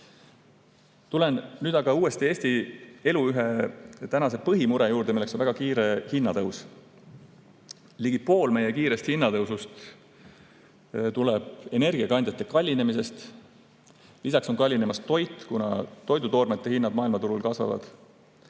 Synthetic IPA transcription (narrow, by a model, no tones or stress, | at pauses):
t̪ule̞nːyːd̪ɑɡ̥ɑuːe̞st̪ie̞ːst̪ie̞luyɦet̪ænɑse̞pɤɦimuɾe̞juːɾd̪e̞milekso̞nvæɡ̥ɑkiːɾe̞hinːɑt̪ɤws | liɡ̥ipo̞ːlme̞jekiːɾe̞st̪hinːɑt̪ɤwsust̪ | t̪uleb̥e̞ne̞rɡ̥iɑkɑnd̪jɑt̪ːˑekɑlʲːine̞mise̞st̪ | lisɑkso̞ŋkɑlʲːine̞mɑst̪o̞jt̪ːˑkunɑ̰t̪o̞jd̪ut̪o̞ːrmet̪ˑːehinːɑd̪mɑːilmɑt̪uɾulkɑsvɑ̰vɑ̰d̪̥